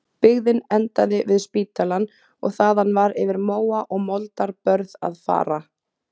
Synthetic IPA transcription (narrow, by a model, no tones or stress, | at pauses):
pɪɣðɪnɛnt̪aðɪvɪðspiːt̪alan | ɔɣθaːðanːvaɾɪvɪɾmoːwaʔɔɣmɔlt̪aɾpœɾða̰ðfa̰ːɾa